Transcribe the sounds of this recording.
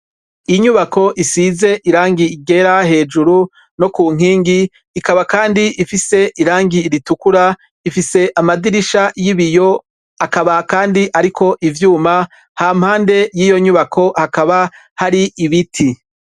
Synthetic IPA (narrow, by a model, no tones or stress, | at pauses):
iɲuβako̞ʔisize̞ʔiɾaːŋɡiiɡe̞ɾahe̞ːd͡ʒuɾu | no̞kuːŋ̥iːŋɡiː | kaβakaːndiʔifise̞ʔiɾaːŋɡiːɾitukuɾa | ifise̞ʔamadiɾiʃajiβijo̞ | akaβakaːndiʔaɾikʰo̞ʔivjuːma | haːm̥haːnde̞jiːjo̞ɲuβakʰo̞hakaβa | haɾiʔiβitʰi